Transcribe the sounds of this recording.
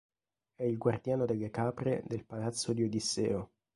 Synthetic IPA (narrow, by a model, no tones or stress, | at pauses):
ɛilɡward̪jaːnod̪elːekaːpɾḛd̪elpalat̪sːod̪iod̪isːɛːo